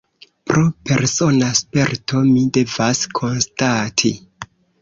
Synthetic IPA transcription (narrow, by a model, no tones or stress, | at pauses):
pɾʔope̞ɾso̞naspe̞ɾtʰo̞mide̞vaskʰo̞nstatʰi